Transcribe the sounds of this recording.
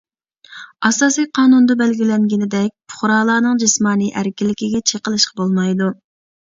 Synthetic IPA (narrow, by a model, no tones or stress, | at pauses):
ɑsɑːsijqʰɑːnund̪ɑbɛlɡʲilɛŋɡʲɪnɪd̪ɛk̚ʲpʰʊ̥χɾɑːlˠɑːnɨŋd͡ʒɨsmɑːniʔæɾkʲilːɪkʲiɡʲɛt͡ʃʰeqəlˠɨʃqʰɑbolˠmɑjd̪u